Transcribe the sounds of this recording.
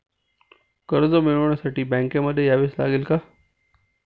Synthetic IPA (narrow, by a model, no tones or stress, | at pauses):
kəɾzomɪɭʋəɽ̃əsaːʈibɛ̃ːŋkẽməd̪ʱːjejaːʋesla̰ːɡelkaː